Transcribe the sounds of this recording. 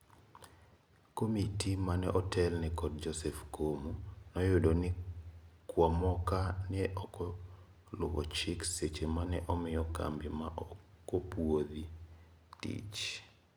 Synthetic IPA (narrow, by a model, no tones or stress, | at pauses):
komitimanɛʔɔtɛlnɛkɔdd͡ʒɔsɛfkomunɔjʊdonɪkwamɔkanɛʔɔkɔ | lʊ̰bɔ̰t͡ʃɪkset͡ʃemanɛʔɔmɪjɔka̰mbimaʔɔ | kopwod̪i | tḭt͡ʃ